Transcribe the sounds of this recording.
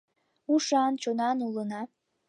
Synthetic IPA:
uʃɑnt͡ɕonɑnulˠənɑ

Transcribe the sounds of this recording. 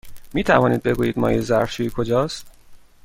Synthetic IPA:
miːt̪ʰævɒːniːd̪̚be̞ɡuːjiːd̪̚mɒ̰ːjezæɾft͡ʃʰujikʰod͡ʒɒːst̪

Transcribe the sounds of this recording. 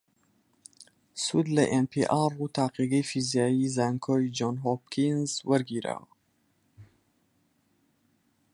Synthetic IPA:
sud̪lɐʔenpʰiʔarut̪ʰaːqiɡɐjfizijaːjizaːŋkʰoːid͡ʒonɦop̚kʰinzwɐɾɡiːɾa̰w

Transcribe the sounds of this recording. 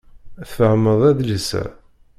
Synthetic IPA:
θəʕməðˤæðləsæ̰

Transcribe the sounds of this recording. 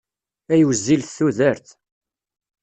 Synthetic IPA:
æjwəzːilθθuðəɾθ

